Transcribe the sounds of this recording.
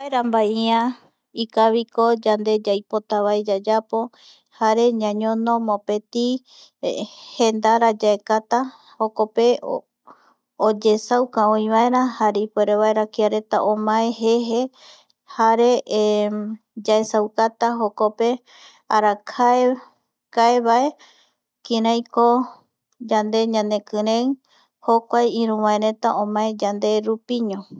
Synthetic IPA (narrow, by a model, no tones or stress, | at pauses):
aeɾambaiã | ikaβiko̞d͡ʒand̪e̞d͡ʒajpot̪aβaed͡ʒad͡ʒapo̞ | haɾe̞ɲãɲõno̞mõpe̞t̪i | hend̪aɾad͡ʒaekat̪a | hokope̞ | od͡ʒe̞sawkaõĩβae̞ɾahaɾeipoeɾeβaeɾakiaɾe̞t̪a̰ʔomãẽɦeɦe | haɾe̞ | d͡ʒaesawkat̪aɦokope̞ | aɾakʰae | kaeβae̞ | kiɾãjko | d͡ʒand̪e̞ɲãnd̪e̞kɨ̃ɾẽŋ | hokʷajĩɾ̃ũwãeɾe̞t̪aʔõmãẽd͡ʒand̪e̞ɾupiɲõ